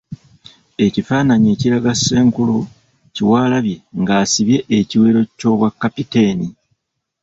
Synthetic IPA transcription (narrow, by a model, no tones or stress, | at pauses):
e̞cifaːnaɲeːciɾaɡasːe̞ːŋkulu | ciwaːlaβje̞ŋɡaːsiβje̞ʔeciweːɾo̞co̞βwakːapiteːni